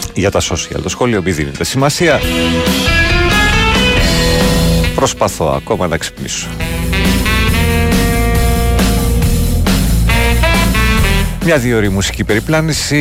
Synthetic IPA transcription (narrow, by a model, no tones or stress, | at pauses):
ʝɐt̪ɐsosiɐ̰lt̪o̞sxo̞liomiðinḛt̪esimɐsiɐ | pɾo̞spɐθo̞̰ɐ̰ko̞mɐnɐekse̥pnḭso̥ | mɲɐðioɾimusi̥cipe̞ɾiplɐnisi